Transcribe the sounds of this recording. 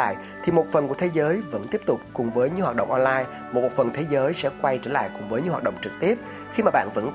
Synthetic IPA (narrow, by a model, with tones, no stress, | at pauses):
a̰ː˧˨j | t̪ʰi˨˩mo˨˩t̚fə˨˩nku˧˩ət̪ʰe˨˦zəː˨˦jvə̰˧˥nt̪i˦˥əp̚t̪ʊ˨˩k͡p̚kʊ˨˩ŋ͡mvəː˨˦jɲɨ̰˧˥hwaː˨˩t̚ɗə̰˧˨wŋ͡mʔɔ˧nlaː˧j | mo˨˩ko˨˩t̚fə˨˩nt̪ʰe˨˦zəː˨˦jsɛ̰˧˥kwa˧jt͡ɕə̰ː˧˩la̰ː˧˨jkʊ˨˩ŋ͡mvəː˨˦jɲɨ˧˥˦haː˨˩t̚ɗə̰˧˨wŋ͡mt͡ɕɨ˨˩k̚t̪i˦˥əp̚ | xi˧maː˨˩ɓa̰ː˧˨nvə̰˧˥n